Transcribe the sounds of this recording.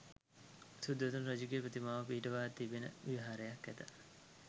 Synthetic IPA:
sud̪ːɐt̪unɾod͡ʒiɡepɾot̪imaːʋɐpiːʈɐʋaːt̪ːibenə̰ʋiʋɦaːɾejɐkːæt̪ɐ

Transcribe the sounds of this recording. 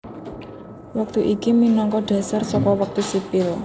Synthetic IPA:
wak̚t̪uʔikiminɔŋkɔɖ̥a̤sarsɔkɔwak̚t̪usipɪl

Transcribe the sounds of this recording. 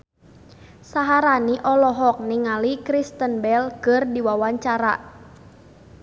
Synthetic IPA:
saɦaɾaniʔɔlɔɦɔk̚niŋalikɾist̪ənbɛlkɨrdiwawaɲt͡ʃaɾa

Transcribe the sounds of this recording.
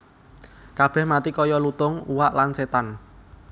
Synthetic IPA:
kab̥ɛ̤hmat̪ikɔjɔlut̪ʊŋuwaʔlanset̪an

